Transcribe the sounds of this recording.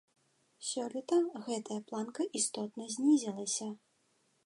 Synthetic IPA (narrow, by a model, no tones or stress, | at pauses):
sʲɔlʲit̪ɐɣɛt̪ɐjɐplˠankɐʔist̪ɔt̪nɐzʲnʲizʲɛlˠɐsʲɐ